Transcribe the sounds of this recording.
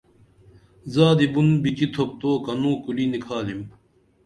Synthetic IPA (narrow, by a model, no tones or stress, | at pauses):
zaːd̪ibunbit͡ɕit̪ʰop̚t̪oːkɐnũːkulinikʰaːlim